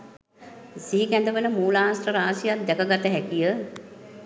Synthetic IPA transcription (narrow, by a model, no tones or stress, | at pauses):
siɦikɛnd̪əʋələmuːlaːsrəɾaːsijat̪̚d̪ɛkəɡat̪əɦɛkijə